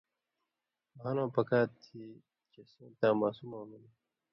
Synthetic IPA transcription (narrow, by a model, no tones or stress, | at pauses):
ɦɐnõːpɐkaːt̪ʰi | t͡ɕesõːt̪ãːmaːsumaːmuni